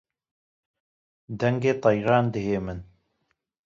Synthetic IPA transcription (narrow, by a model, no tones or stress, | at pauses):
d̪ɛŋɡeːt̪ˤɑjɾɑːnd̪əɦeːmɨn